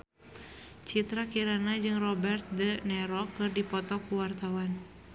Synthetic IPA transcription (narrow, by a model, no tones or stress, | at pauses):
t͡ʃit̪ɾakiɾanad͡ʒɨŋrɔbɛrt̪̚dənɛɾɔkːɨrdipɔt̪ɔkuwart̪awan